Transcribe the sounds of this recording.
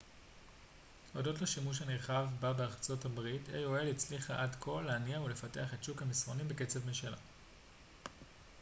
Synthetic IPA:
odo̞tleʃimuʃ̬haneʁχavbabeaʁt͡so̞tabʁitʰḛjoe̞lit͡sliχaʔadkʰo̞lːeaniaule̞fate̞aχetʃukhamisʁo̞nimbeke̞t͡sevmenʃala̰

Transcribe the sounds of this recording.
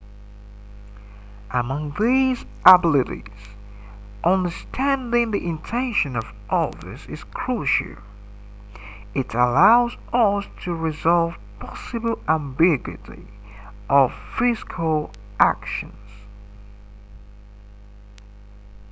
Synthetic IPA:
ʔəmʌ̃ŋðiz | ʔəblɪɾḭz̥ | ʔʌ̃ndə˞stʰæ̃ndɪ̃ŋðiʔɨ̃ntʰɛ̃nʃɨ̃nʌv | ʔʌðə̰˞zɨz̥kʰɹ̥uʃl̩ˠ | ɨɾəlaʊzʔʌstʰɨɹɨzɑlˠv̥pʰɑsɨbl̩ˠæ̃mbɪɡwɪ̰ɾḭ | ʔʌv̥fɪskʰl̩ˠ | ʔæ̰kʃɨ̃nz̥

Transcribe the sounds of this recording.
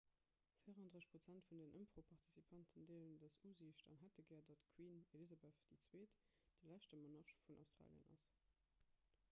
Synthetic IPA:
fiɪəʁɑndʁəʃpʁot͡sæntfundənʔəmpʁ̥opʰɑʁtʰi̥sipʰɑntʰəndeːləndəsuːziʃtɑ̰nɦætəɡɛːɐdɑtkʰwiːnelizɑbɛθd̥it͡sweːt | d̥əlæʃtəmonɑʁʃfunʔa̰ʊstʁ̥a̰ːljə̰nʔɑ̰s

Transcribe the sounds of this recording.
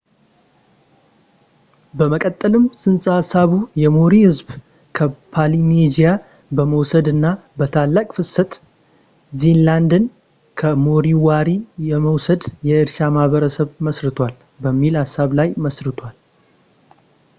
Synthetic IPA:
bəməkʼət̪ʼːəlɨmsɨnsʼahasːaβujɛmoɾihɨzb | kʰəpʰalined͡ʒija | bəməwsəd̪ɨnːabət̪ʰalːakʼfɨsət̪ʼ | zenland̪ɨn | kʰəmoɾiwaɾijɛməwsəd̪jɛɨɾʃamahβəɾəsəβməsɾɨt̪ʰwal | bəmːilhasːaβlajməsɾɨt̪ʰwal

